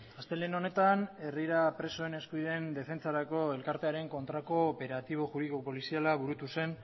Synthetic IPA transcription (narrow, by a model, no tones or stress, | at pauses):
ast̪e̞leno̞ne̞t̪ane̞riɾapɾe̞so̞ene̞skuiðe̞nd̪e̞fe̞nt͡saɾako̞e̞lkaɾt̪e̞aɾe̞ŋko̞nt̪ɾako̞ːpe̞ɾat̪iβ̞o̞ʝuðikopo̞lisialaβuɾut̪use̞n